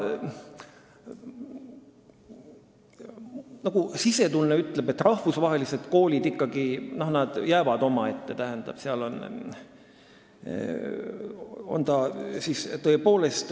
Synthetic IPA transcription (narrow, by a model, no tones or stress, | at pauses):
nɑɡ̥usise̞t̪ulneyt̪ːˑleb̥e̞t̪ːrɑhvusvɑɦe̞liset̪ko̞ːlʲid̪ikːɑɡ̥ino̞hnɑd̪̥jæːvɑd̪̥o̞mɑe̞t̪ːe̞t̪æɦend̪̥ɑ̰b̥seɑlo̞n | o̰nt̪ɑsist̪ɤe̞po̞ːle̞st̪